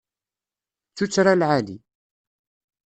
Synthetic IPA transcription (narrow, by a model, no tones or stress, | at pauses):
t͡sːut͡sːɾalʕalḭ